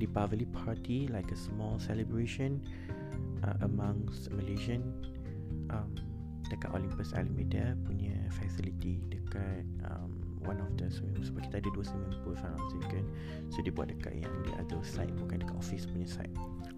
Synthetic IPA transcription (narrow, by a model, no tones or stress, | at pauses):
dipavəlipʰatilajkəsmɔlsɛləbɹeʃə̃n | ʔã̰ʔəmãŋsməleʒə̃n | ʔãm | d̥əka̰ʔɔ̰lĩmpəsa̰limidapuɲəfɛsilitidəkat̚ʔã̰m | wãnɔfdəsəmĩsbaki̥t̪adəduəsəmə̃mpulfã | sikə̃n | sodebua̰ʔ̚t̚dəka̰ʔjã̰ŋdḭʔa̰dəsaɪt̚bukãndəkaʔɔfispuɲəsa̰ɪt̚